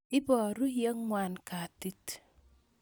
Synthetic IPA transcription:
ɪ˦bɔ˨ɾu˦jə˦ŋːwa˨nka˨ti˦t

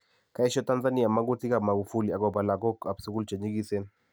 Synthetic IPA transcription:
ka˨˦ɪ˦ʃɔ˦ta˦nza˦ni˦a˨ma˦ŋɡu˦ti˦ka˨ma˨ɡu˨fu˦li˨a˨ɡɔ˨ba˨la˨ɡɔ˦ka˨bsu˨ku˦lt͡ʃa˨ɲi˦ɡi˦se˦n

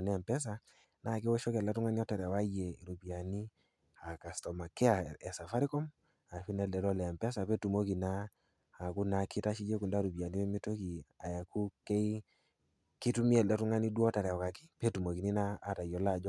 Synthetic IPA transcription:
nɛ˦˨mpɛ˦s̬a˨ | na˦˨ki˦wɔ˦ʃɔ˦kɛ˨lɛ˦tu˦ŋa˦ni˦ɔ˦ta˨ɾɛ˨wa˦je˨i˨ɾu˨pi˨a˨ni˦ | a˨ka˨stɔ˨ma˨kɛ˦a˨ɛ˨sa˨fa˦ɾi˦kɔ˦m | a˨fi˦nɛ˦ldɛ˨lɔ˦lɛː˨mpɛ˦sa˨pe˦tu˨mo˦ki˨naː˦˨ | ku˦na˨ki˦ta˦ʃi˦d͡ʒe˦ku˨nda˦˨ɾu˨pi˨a˨ni˦me˦mi˦to˦ki˨a˨ja˨ku˦ke˦i˦ | ki˦tu˦mi˦ɛ˨ldɛ˨˦tʊ˦ŋa˦ni˦dwɔ˦ta˨ɾɛ˨ɔ˨ka˨kɪ̥˦pe˦tu˨mo˨ki˨ni˦naː˦ta˨jɔ˨la˦˨d͡ʒɔ˦

